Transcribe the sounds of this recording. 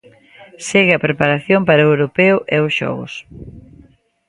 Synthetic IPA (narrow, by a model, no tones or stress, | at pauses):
seɣɪɐpɾepaɾaθjompaɾɐewɾopeʊʔɛʊsʃɔ̰ɣʊ̰s